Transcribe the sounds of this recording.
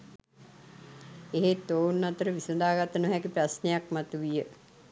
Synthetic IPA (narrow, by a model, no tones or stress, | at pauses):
eɦet̪oːwnːat̪əɾəʋisəd̪aːɡat̪ənəɦækiprasnejakmat̪uʋijə